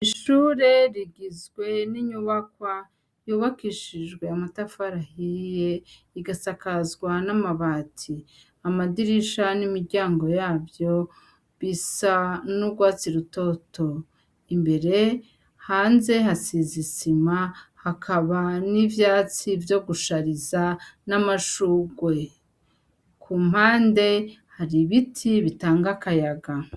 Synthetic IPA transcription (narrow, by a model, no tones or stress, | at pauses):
iʃuːɾe̞ɾiɡizɡwe̞niɲuβakwa | juβakiʃiʒɡwe̞amatafaɾahije̞ | iɡasakazɡwanamaβaːtʰi | amadiɾiʃanimiɾɟaːŋɡo̞jaːβjo̞ | βisanubɡwaːt͡siɾuto̞tʰo̞ | imbe̞ɾe̞ | haːnze̞ɦasiːzisimahakʰaβanivjaːt͡sivjo̞ɡuʃaɾizanamaʃuɡwe̞ | kʰuːm̥haːnde̞haɾiβitʰiβitaːŋɡakajaɡa